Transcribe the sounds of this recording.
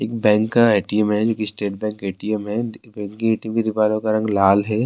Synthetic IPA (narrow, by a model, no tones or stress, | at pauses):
eːk̚bɛ̃ːŋkːaaɪʈiəmɦɛd͡ʒoːkisʈeːʈ̚bɛ̃ːŋkaːʈiɛmɦɛbɛ̃ːŋkːiaːʈiə̃mked̪ɪpaːlõkaɾɐ̃ŋɡlaːlɦɛː